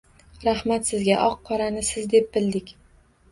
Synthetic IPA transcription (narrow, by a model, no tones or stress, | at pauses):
ɾahmat̪sɪzɡʲaʔɒqʰːɒɾanɪsɪzd̪e̞p̚bɪld̪ɪkʲ